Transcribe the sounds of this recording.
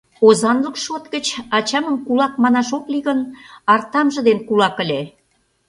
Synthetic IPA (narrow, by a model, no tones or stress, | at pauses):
ozɑnləkʃot̪ɡət͡ɕɑt͡ɕɑməmkulɑk̚mɑnɑʃokliɣənɑrt̪ɑmʒə̆d̪enkulɑkə̆lʲe